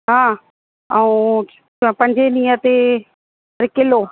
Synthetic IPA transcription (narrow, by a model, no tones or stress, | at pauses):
ɦãː | aũː | pə̃ɲd͡ʒenijə̃t̪e | ɾɪkɪloː